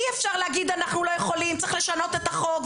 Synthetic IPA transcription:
iefʃaʁleaɡid̪anaχnulo̞jeχo̞limt͡siχle̞ʃano̞t̪et̪aχo̞ɡ

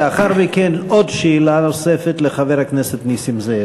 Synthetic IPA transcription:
aχaɾmikenod̪ʃeːlanosefet̪leχaveɾhakneset̪nisimze

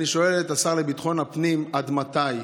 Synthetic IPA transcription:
niʃo̞elet̪asaʁlebit̪χo̞napnimad̪mat̪aj

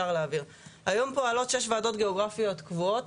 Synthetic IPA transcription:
aʁleaviʁ | hajo̞mpoalo̞tʃe̞ʃvaːdo̞tɡe̞oɡʁafijo̞tkvuot

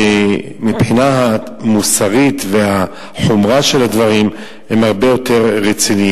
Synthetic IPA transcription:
e | mipħinaɦa | musaʁit̪ve̞ha | ħomʁaʃe̞lhad̪vaʁim | hemhaʁbejo̞te̞ʁːet͡sini

